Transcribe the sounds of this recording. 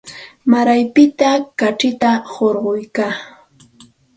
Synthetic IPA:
maɾajpɪt̪akaʈ͡ʂɪt̪ahoɾɢojkaː

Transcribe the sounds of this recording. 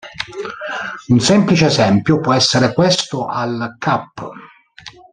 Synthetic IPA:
unsɛmplit͡ʃeːzɛmpjopwɔɛsːeɾekwest̪ʊʔalkapː

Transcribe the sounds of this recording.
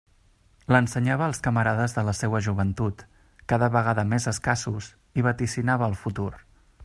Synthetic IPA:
lənsəɲaβəːlˠskəməɾaðəzðələsewəʒuβənt̪ut̪ | kaðəβəɣ̞aðəmezəskasus | iβ̞ət̪isinaβəːlˠfut̪ur

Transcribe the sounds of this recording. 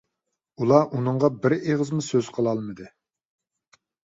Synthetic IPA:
ulˠɑʔunɨŋʁɑbɪɾeʁəzmusøz̥qʰəlˠɑlˠmɨd̪ɨ

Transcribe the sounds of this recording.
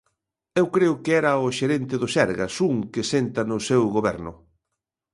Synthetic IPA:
ewkɾeʊkɪɛɾɐʊʃeɾent̪ɪðʊsɛɾɣɐ̰suŋkɪsent̪ɐnʊsewɣoβɛɾnʊ̰

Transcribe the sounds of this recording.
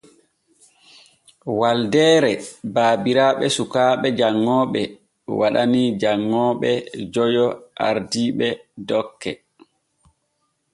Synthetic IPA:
waldɛːɾɛbaːbiɾaːɓɛsukaːɓɛd͡ʒaŋːɔːɓɛ | waɗanid͡ʒaŋːɔːɓɛd͡ʒɔjɔʔa̰ɾdiːɓɛdɔkːɛ

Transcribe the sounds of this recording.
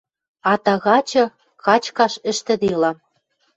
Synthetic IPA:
ɑt̪ɑɣɑt͡ɕɤ̆ | kɑt͡ɕkɑʃɘ̆ʃt̪ɘ̆d̪elɑ

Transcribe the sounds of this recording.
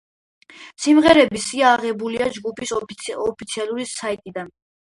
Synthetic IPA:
simʁɛɾɛbisiaːʁɛbuliad͡ʒɡupʰisɔpʰit̪sʰialˠuɾisait̪ʼid̪an

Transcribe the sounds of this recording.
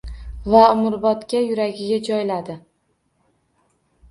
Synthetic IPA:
vaʊmʊɾbɒt̪kʲajʊɾaɡʲɪɡʲad͡ʒɒjlad̪ɪ

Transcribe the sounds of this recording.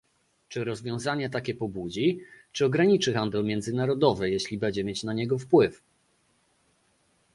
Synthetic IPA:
t͡ʂɘɾɔzvʲjɔ̃w̃zaɲɛt̪̬akʲɛpɔbud͡ʑit͡ʂɘɔɡɾaɲit͡ʂɘxand̪ɛlmʲjɛnd̪zɘnaɾɔd̪ɔvɘjeɕlʲibɛɲd͡ʑɛmʲjet͡ɕnaɲɛɡɔfpwɘf

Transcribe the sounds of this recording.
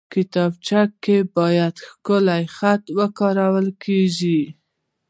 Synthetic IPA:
kɪt̪ɑb̚t͡ʃakːebɑjad̪xkəlajxat̪wəkɑɾawəlkʰeʒi

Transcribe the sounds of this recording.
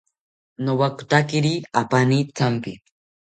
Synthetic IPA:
nowakʊ̥t̪akɪɾiapanit͡sampḭ

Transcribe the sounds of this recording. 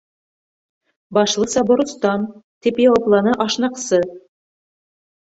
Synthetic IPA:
bɑʃlˠɤsɑbŏɾŭst̪ɑnt̪ipjɑwɑplˠɑnɤʔɑʃnɑqsɤ

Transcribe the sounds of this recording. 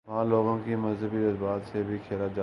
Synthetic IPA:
ʋãːloːɡõːkimɐzɦəbiɾəzbaːt̪sebʱikʰeːlad͡ʒaː

